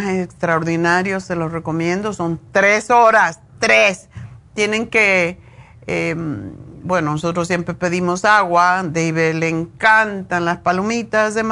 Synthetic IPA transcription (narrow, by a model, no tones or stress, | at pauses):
esekst̪ɾaoɾðinaɾjosːelosreko̞mjẽ̞nd̪oso̞nt̪ɾesoɾast̪ɾest̪jeneŋke | embwenonosot̪ɾosːjempɾepe̞ðimosaɣwad̪eiβeleːŋkant̪anlaspalomit̪asðem